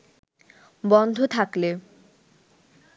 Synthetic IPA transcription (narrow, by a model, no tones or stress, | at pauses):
bɔnd̪ʱot̪ʰakle